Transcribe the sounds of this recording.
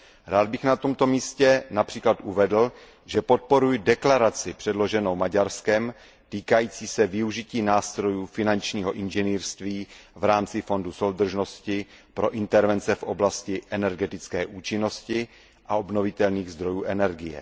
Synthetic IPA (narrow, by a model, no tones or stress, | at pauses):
ɾaːd̪̚bɪxnat̪o̞mt̪o̞miːscɛnapr̥iːklat̪ʔuvɛdl̩ | ʒɛpo̞t̪̚po̞ɾujdɛklaɾat͡sɪpr̝̥ɛdlo̞ʒɛno̞wmaɟaɾskɛm | t̪iːkajiːt͡siːsɛvɪuʒɪciːnaːst̪ɾo̞juːfɪnant͡ʃɲiːɦo̞ʔɪnʒɛniːrst̪viːvɾaːmt͡sɪfo̞nduso̞wd̪r̩ʒno̞scɪpɾo̞ʔɪnt̪ɛɾvɛnt͡sɛfʔo̞blascɪʔɛnɛɾɡɛt̪ɪt͡skɛːʔuːt͡ʃɪno̞scɪ | ʔao̞bno̞vɪt̪ɛlniːɣzd̪ɾo̞juːʔɛnɛɾɡɪjɛ̰